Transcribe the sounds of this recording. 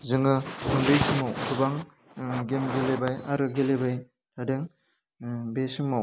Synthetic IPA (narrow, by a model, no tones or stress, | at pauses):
zɯŋɯumbejsɯmawtʰɯbaŋ | ɡemɡelebajaɾɯɡelebaj | tʰadeŋ | besɯmaw